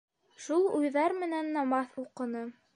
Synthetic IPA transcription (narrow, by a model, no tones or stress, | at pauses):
ʃulˠujðɑɾmɘ̆nænːɑmɑθuqɤ̆nɤ